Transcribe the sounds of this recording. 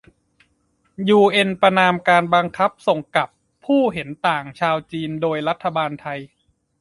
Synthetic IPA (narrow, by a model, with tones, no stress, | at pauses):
juː˧ʔe˧npɾa˧naː˧mkaː˧nbaː˧ŋkʰa˦˥p̚so˨˩ŋka˨˩pʰːuː˥˩ɦe˩˦nt̪aː˨˩ŋt͡ɕʰaː˧wt͡ɕiː˧ndoː˧jɾa˦˥t̪ʰːa˧baː˧nt̪ʰa˧j